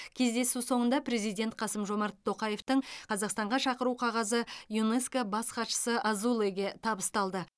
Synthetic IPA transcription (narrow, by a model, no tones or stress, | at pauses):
kʲʰe̞zd̪e̞suso̞ɴənd̪ɑpɾe̞zijd̪ʲe̞nt̪̚qʰɑsəmʒo̞mɑɾt̪ʰːo̞qɑje̞ft̪əɴqʰɑzɑqst̪ɑɴʁɑʃɑqəɾuqʰɑʁɑzəjuneskobɑsqɑt̪ʃə̥səʔɑzulˠeɡʲe̞t̪ʰɑbəst̪ɑlˠd̪ə